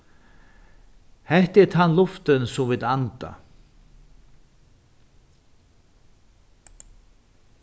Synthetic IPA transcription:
hɛht̪ɛɾt̪ʰanlʊft̪ɪnsuvɪt̪ant̪a̰

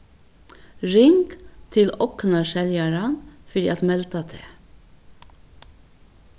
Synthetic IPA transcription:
ɹɪŋɡ̥t̪ʰɪlɔknɑʃɛljɑɾɑnfɔdiːɑt̪mɛlt̪ət̪ʰḛː

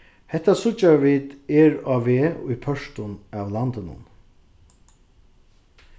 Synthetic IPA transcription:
hɛht̪ːasʊt͡ʃːaʋiːt̪ɛɾaːʋeʊ̰jpʰœʂt̪ʊnæwlant̪ɪnʊ̰n

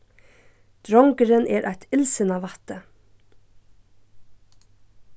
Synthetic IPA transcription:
d̪̥ɾɔŋkəɾənʔɛːɾʔa̰jt̪ɪlsɪnaʋat̪ə

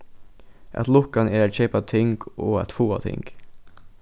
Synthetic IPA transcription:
ʔɛ̰t̪lʊkɑneːɾæçɛɪpɑt̪ʰɪŋɡoːɛ̰t̪fuːɑ̰t̪ʰɪ̰ŋɡ̥

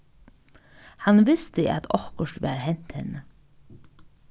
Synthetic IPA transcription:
hɑnʋɪst̪əʔa̰t̪ʰɔhkəʃt̪ʋæ̰ːɾhɛn̥t̪hɛ̰nə

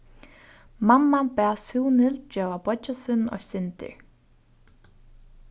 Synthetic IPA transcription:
mamːapɛːsuːwnɪld͡ʒœːvabɔt͡ʃːasʏnːɔ̰sɪnt̪ɪ̰ɹ

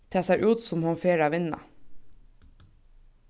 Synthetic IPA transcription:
t̪ʰɑːsæʔʉːt̪sɔmhɑnfeːɾɑːʋɪnɑ̰

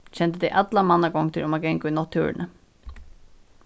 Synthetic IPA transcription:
cʰɛnt̪əd̪ɛjʔat̪lamanːaɡɔŋt̪ʰɪlʊmaɡɛŋkʊjnɔt̪ʰːṵːɹɪ̰nə

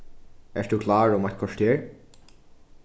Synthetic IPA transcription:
ɛʂd̪uːkʰlɑːɹʊmajt̪̚kʰɔʂt̪eːɹ

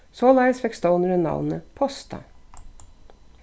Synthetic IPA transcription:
soːlɑɪəsfɛkst̪oʊnəɾɛnɑ̰ʋnəpʰɔst̪ʰɑ̰

